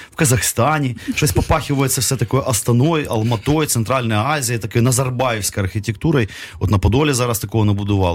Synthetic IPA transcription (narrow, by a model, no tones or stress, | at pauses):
fkɐzɐxst̪anʲɪʃt̪osʲpɐpaxʲɪvəjɪt̪sːɐfsʲɛt̪ɐkojʔɐst̪ɐnojɐ̰lˠmɐt̪o̞jt̪sɨnt̪ɾalʲnɐjəazʲɪjɐt̪ɐkojnɐzɐrbajɪfsʲkɐjɐrxʲɪtʲɪk̚t̪uɾɐj | vot̪nɐpɐd̪olʲɪzaɾɐst̪ɐkovənɐbʊd̪ɨvɑlˠ